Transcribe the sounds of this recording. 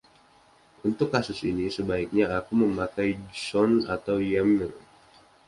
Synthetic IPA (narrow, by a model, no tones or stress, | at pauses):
unt̪ʊkːasʊsinisəbaik̚ɲaakuməmakajsɔna̰t̪awjaməl